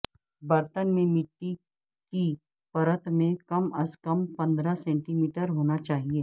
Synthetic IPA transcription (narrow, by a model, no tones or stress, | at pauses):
bɐɾt̪ənmẽmɪʈːi | ki | pɐɾət̪mẽkɐmɐskɐmpɐ̃nd̪ɾasɛ̃ːɳʈimiːʈəɾɦoːnat͡ʃaːɦieː